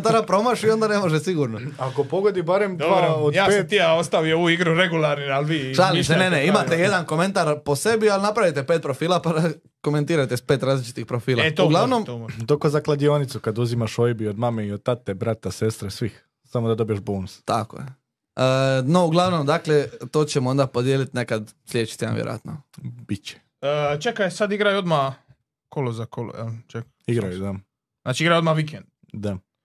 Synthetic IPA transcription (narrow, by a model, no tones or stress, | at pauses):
nt̪aɾapɾo̞maʃio̞nd̪ane̞moʒesiɡuɾnoakopoɡod̪ibaɾemd̪aod̪jaːpeiaost̪aʋijouiɡɾuɾeɡulaɾnialˠʋiːʃalieneneimat̪eje̞d̪anko̞me̞nt̪aɾpo̞se̞bialinapɾaʋit̪e̞pet̪pɾo̞fiːlˠapaɾa | ko̞me̞nt̪iːɾajt̪espet̪ɾaːzlit͡ʃi̥t̪ixpɾofiːlat̪ouɡlˠaʋno̞mt̪okozaklˠad̪ionit̪sukad̪uzimaʃojbio̞d̪mameiod̪̚t̪at̪ebɾat̪ase̞st̪ɾesʋix | samod̪ad̪obijeʃboːnust̪ako̰je | ənouɡlˠaʋno̞md̪akle̞t̪o̞ːt͡ɕemoo̞nd̪apo̞d̪jeːlit̪ne̞kad̪sljet͡ʃi̥t̪ia̰ʋjḛɾo̰a̰t̪nob̥it͡ɕe̥ | ət͡ʃekajsad̪iɡɾajod̪ma | kʰolozakolo̰ɛt͡ʃek | iɡɾajud̪a | naːt͡ʃiiɡɾajod̪maʋik̬end̪̥̚ | d̪a